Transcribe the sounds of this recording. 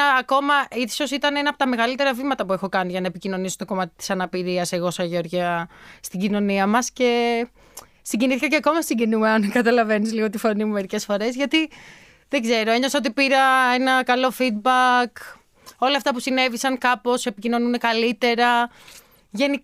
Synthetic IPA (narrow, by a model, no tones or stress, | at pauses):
ɐɐko̞mɐʔiso̞sit̪ɐnenɐpot̪ɐme̞ɣɐlit̪e̞ɾɐvimɐt̪ɐpue̞xo̞kɐniʝɐnɐepicino̞nisot̪o̞ko̞mɐt̪i̥t̪i̥sɐnɐpiɾiɐse̞ɣo̞sɐʝeo̞ɾʝɐst̪iɟino̞niɐmɐsce̞ | siɲɟiniθikɐceɐkomɐsiɲɟinumeɐnkɐt̪ɐlɐve̞nizliɣot̪ifo̞nimumeɾice̞sfo̞ɾe̞zʝɐt̪i | ðeɡze̞ɾo̞e̞ɲoseo̞t̪̬ipiɾɐe̞nɐkɐlo̞fid̪̚bɐk | o̞lɐft̪ɐpusine̞visɐŋkɐpo̞se̞picino̞nune̞kɐlit̪e̞ɾɐ | ʝe̞ni